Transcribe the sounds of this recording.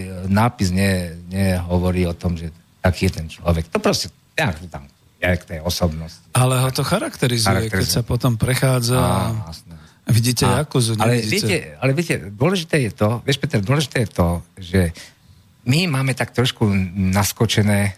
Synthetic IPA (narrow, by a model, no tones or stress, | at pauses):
naːpizɲɛɲɛɦɔʋɔɾiːɔt̪ɔmʒɛ | t̪akiːjɛt̪ɛnt͡ʃlɔʋɛkt̪ɔpɾɔscɛ | ɲakt̪ut̪a̰m | jɛkt̪ɛjɔsɔbnɔscialɛɦɔt̪ɔxaɾakt̪ɛɾizaɾakjɛkt̪ɛɾɛzsapɔt̪ɔmpɾɛxaːd͡zaaasnɛ | ʋiɟiːcɛjakuzuɲalɛiɛɛalɛʋiɛcɛd̪ʊɔlɛʒit̪ɛːjɛt̪ɔʋɪɛʃpɛt̪ɛɾd̪ʊɔlɛʒit̪ɛːjɛt̪ɔʒɛ | mimaːmɛt̪ak̚t̪ɾɔʃkunaskɔt͡ʃɛnɛː